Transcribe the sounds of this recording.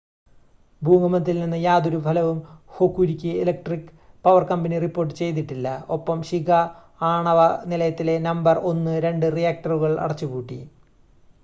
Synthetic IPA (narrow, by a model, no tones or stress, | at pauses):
bʱuːmɐmɐnt̪ːilninːɨjaːd̪oɾubʱɐlɐʋumhokːuɾikʲːɨelɐk̚ʈrikː | pɐʋɐrkɐmbɐniripːo̞ːrʈːɨ̥t͡ɕe̞jt̪̬iʈːilːɐo̞pːɐmɕiɡɐ | aːɳɐʋɐnilɐjɐt̪ːile̞nɐmbɐro̞nːɨɾe̞ɳɖɨrijaːk̚ʈɐruɣɐɭɐ̰ɽɐt͡ɕːukuːʈːḭ